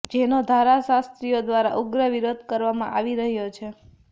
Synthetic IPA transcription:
d͡ʒenod̪ʱaɾasast̪ɾijod̪ʋaɾa̰ʔuɡɾəʋiɾod̪̚ʱkəɾʋamã̰ʔaʋiɾəɦjot͡ʃʰe

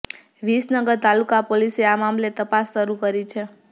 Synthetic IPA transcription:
ʋisnəɡəɾt̪alukapoliseamamlet̪əpasːəɾukəɾit͡ʃʰe

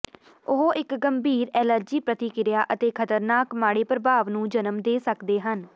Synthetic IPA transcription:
ʊɦoʔɪkɡəmbʱiːɾɛːləɾd͡ʒiːpɾət̪iːkɪɾɪjaːʔət̪eːkʰət̪əɾnaːkmaːɽeːpɾəbaːʋnũːd͡ʒənəmd̪eːsəkd̪eːɦən

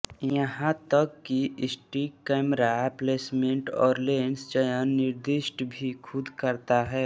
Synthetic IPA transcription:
jəɦãt̪əkːiʔɪsʈikɛːmɾapleːsmẽɳʈɔːɾleːnst͡ʃəjənːɪɾd̪ɪʃʈbʱikʰʊd̪kəɾt̪aɦɛː

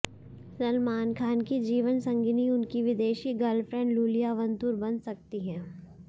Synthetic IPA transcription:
ɾɐlmaːnkʰaːnkid͡ʒiːʋənsɐ̃ŋɡiniʊnkiʋɪd̪eːʃiɡɐlfʰɾɛ̃ɳɖluːlijaʋɐ̃nt̪uːɾbɐ̃nsɐk̚t̪iɦɛ̃ː

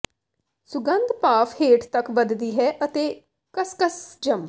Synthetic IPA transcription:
sʊɡənd̪paːfʰheːʈt̪əkbəd̪d̪iːɦɛːʔət̪eː | kəskəsd͡ʒəm

